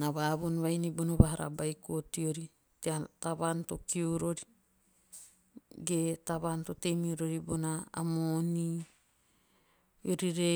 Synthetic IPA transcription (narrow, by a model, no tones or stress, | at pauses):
naβaβonβajnibonoβaɦaɾa̰bajkotioɾi | teataβantokioɾoɾi | ɡetaβantotemioɾoɾibona̰ːmoni | joɾiɾe